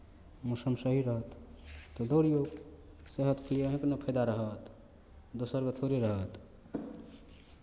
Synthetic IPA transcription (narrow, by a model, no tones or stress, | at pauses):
musəmsəɦiɾəɦət̪ːɔd̪oɾijoɡ | seɦət̪kʰlijəɦẽknəpʰəd̪aɾəɦət̪ | d̪osəɾkət̪ʰoɾeɾəɦət̪